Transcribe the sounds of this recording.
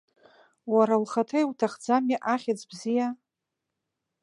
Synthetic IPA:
waɾalχatʰajwtʰaχd͡zamiʔaχʲat͡sbzija

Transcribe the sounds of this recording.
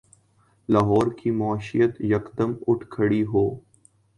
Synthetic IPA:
laːɦɔːɾkimaaʃḭjət̪jɐkd̪əmʊʈʰkʰəɽiɦoː

